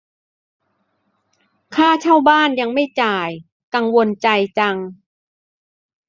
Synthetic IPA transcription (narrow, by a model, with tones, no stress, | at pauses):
kʰaː˥˩t͡ɕʰaː˥˩wbaː˥˩nja˧ŋma˥˩jt͡ɕaː˨˧˩j | ka˧ŋwo˧nt͡ɕa˧jt͡ɕa˧ŋ